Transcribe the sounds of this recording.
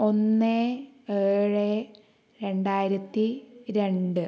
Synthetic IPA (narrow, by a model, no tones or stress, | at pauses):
o̞nːeeːɻe | ɾe̞ɳɖaːjiɾɐt̪ːiɾe̞ɳɖɨ